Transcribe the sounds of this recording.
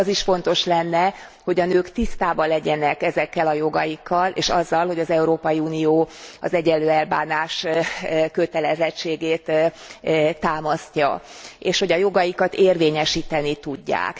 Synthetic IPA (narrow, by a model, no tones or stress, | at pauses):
ɒziʃfo̞nt̪o̞ʃlɛnːɛ | ho̞ɟɒnøːkt̪ist̪aːbɒlɛɟɛnɛkɛzɛkːɛlɒjo̞ɡɒjikʰːɒlḛːʃɒzːɒlho̞ɟɒzɛuɾoːpɒjiuːnijoːɒ̰zɛɟɛlːøːɛlbaːnaːʃ | kø̞t̪ɛlɛzɛt͡ʃːeːɡeːt̪ | t̪ːaːmɒscɒ̰eːʃho̞ɟɒjo̞ɡɒjikɒt̪eːrveːɲɛʃiːt̪ɛnit̪uɟːa̰ːk